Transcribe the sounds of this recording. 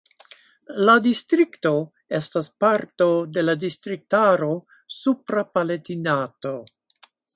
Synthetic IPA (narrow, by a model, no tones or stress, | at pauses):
ladistɾikto̞ | estaspaɾto̞de̞ladistɾik̚taɾo̞ | supɾapaletinato̞